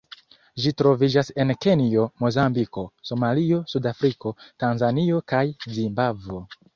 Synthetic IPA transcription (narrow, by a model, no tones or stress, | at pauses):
ʒitɾo̞vid͡ʒase̞nke̞nio̞mo̞zambiko̞so̞malio̞sudafɾiko̞tanzanio̞kajzimbavo̞